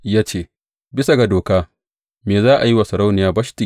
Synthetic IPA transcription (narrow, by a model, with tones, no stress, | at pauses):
jaː˦t͡ʃeː˦ | bɪ˦sa˨ɡa˨doː˨kaː˦ | meː˨zaː˦ʔa˨ji˦wa˨sɐ˨ɾa˦wnɪ˨jaː˦bɐ˦ʃti˨